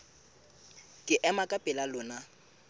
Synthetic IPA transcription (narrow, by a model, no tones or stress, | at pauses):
kʼɪʔɛmakʼapʼɪlalʊːna